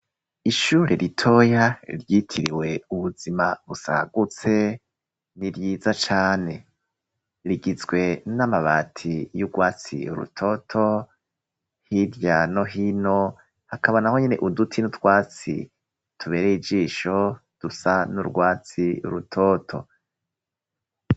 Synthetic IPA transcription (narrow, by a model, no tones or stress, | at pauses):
iʃuːɾeɾʔitʰo̞jaɾjitʰiɾiwe̞uβuzimaβusa̰ɡut͡se̞ | niɾjiːzat͡ʃaːne̞ | ɾiɡizɡwe̞namaβaːtʰijuɡwaːt͡sḭṵɾṵtʰo̞tʰo̞ | hiɾjano̞ɦino̞ | hakʰaβanaho̞ɲene̞ʔudutʰinutwaːt͡sḭ | tʰuβe̞ːɾejid͡ʒiːʃo̞d̥usanuɾɡwaːt͡siṵɾutʰotʰo̞̰